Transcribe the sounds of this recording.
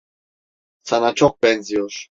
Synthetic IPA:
sʰanat͡ʃʰɔk̚bɛnziɔʃ

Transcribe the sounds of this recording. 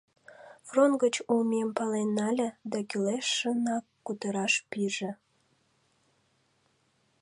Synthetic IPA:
front̪̚ɡət͡ɕumempɑlenːɑlʲĕd̪ɑkyleʃːənɑkːut̪əɾɑʃpiʒĕ

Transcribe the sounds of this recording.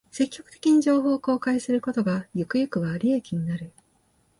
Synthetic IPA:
se̞kʲːo̞kɯ̟t̪e̞kʲiɲ̟iʑo̞ːɦo̞ːko̞ːkaisɨɾɯ̟ko̞t̪o̞ɡajɯ̟kɯ̟jɯkɯ̟βaːɾʲiekʲiɲ̟inaɾɯ̟

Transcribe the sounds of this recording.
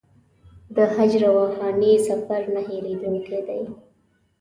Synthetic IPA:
d̪əhad͡ʒɾawahɑnesafaɾnaheɾed̪əwked̪aj

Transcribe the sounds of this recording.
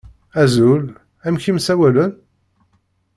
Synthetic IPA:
æzul | æmçimsæwælən

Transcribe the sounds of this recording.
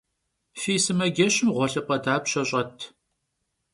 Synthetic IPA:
fiːsɨmɐɡʲɛɕɪmʁʷɔɬɨpʼɐdaːpɕɐɕʼɐtʰ

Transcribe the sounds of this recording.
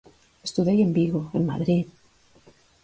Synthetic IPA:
est̪uðejembiɣoenma̰ðɾið

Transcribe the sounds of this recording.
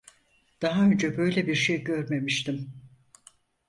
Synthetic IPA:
d̪̥aɦaønd͡ʒɛbø̞jlʲebiɾʃejɟø̞ɾme̞miʃt̪ʰim

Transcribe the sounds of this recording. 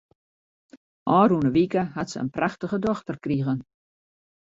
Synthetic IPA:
ʔɔːrunəʋikəhatsəə̰npraxtəɣədɔxtərkriɣən

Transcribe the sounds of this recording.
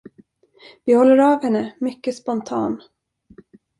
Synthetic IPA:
vɪhɔlːəɾɑːvhɛnːəmʏkːəspɔnt̪ʰɑ̰ːn

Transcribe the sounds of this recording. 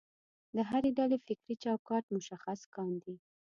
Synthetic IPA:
d̪əɦaɾeɖalefɪkɾit͡ʃɑwkɑʈmʊʃaxaskɑnd̪i

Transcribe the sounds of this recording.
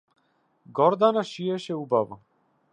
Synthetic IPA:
ɡɔɾd̪anaʃiɛʃɛubava

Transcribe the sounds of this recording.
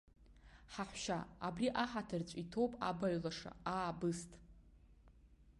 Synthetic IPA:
ħaħʷʃaabriʔaħatʰɨrt͡ɕʷʼitʰo̞wpʼa̰baɥlaʂa̰aːbɨstʼ

